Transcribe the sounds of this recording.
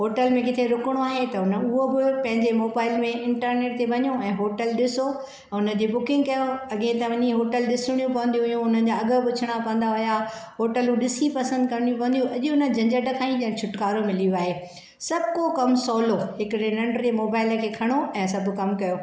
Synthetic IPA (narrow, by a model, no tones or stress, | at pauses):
ɦoːʈəlmẽkɪt̪ʰeɾʊkəɽ̃oaːɦet̪ɐʊnə̆ʊɦobɪpɐ̃ɦɪ̃ɲd͡ʑemoːbaːɪlmẽɪ̃ɳʈəɾneːʈt̪ebɐɲũɛ̃ːɦoːʈəlɗɪso | ʊnəd͡ʑeːbʊkɪ̃ŋɡkɐjoɐɠẽt̪ɐ̃ʋɐɲiɦoːʈəlɗɪsɪɽ̃ijũpɐʋə̃nd̪ijũɦʊjũʊnən̆d͡ʑaɐɡə̆pʊt͡ɕʰəɽ̃apɐ̃ən̆d̪aɦʊjaɦoːʈəlũɗɪsipɐsə̃nd̪̚kɐ̃nɽijũpɐ̃ənd̪ijũɐʄʊʊnə̆d͡ʑʱɐ̃ɲd͡ʑəɖəkʰaːĩd͡ʑɐ̃ːt͡ɕʰʊʈkaːɾomɪlijoaːɦeː | sɐbʱkokɐmsɔːloɦɪkɾenɐɳɖd͡ʑemoːbaːɪlə̆kʰeːkʰɐɽ̃oɛ̃ːsɐbʱʊ̆kɐmkɐjoː